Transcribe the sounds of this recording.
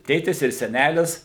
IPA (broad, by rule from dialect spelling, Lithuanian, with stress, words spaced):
ˈtʲeːtʲɪs ɪr sʲɛˈnʲælʲɪs